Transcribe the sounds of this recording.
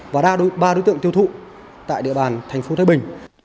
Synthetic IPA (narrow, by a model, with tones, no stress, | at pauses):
vaː˨˩˧ɓaː˧ɗo˨˦t̪ɨ̰˧˨əŋt̪i˧əwt̪ʰṵ˧˨ | t̪a̰ː˧˨jɗḭ˧˨əɓaː˨˩nt̪ʰɛ˨˩jŋ̟fo˨˦t̪ʰaː˨˧˦ɓï˨˩ŋ̟